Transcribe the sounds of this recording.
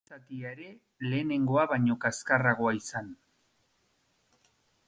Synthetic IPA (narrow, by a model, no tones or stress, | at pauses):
ak̪iaeɾe̞ | le̞ːne̞ŋɡo̞aβaɲo̞kaeskaraɣ̞o̞aisan